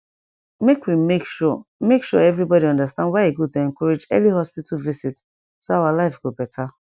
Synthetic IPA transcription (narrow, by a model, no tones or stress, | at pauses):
mekwimekʃɔmekʃɔɛvɹibɔdiɔ̃ndastãndwaɪeɡud̚toɛ̃ŋkɔɹed͡ʒɛ̰lihɔspitʰɔlvisit | soawalaɪfɡobɛtʰa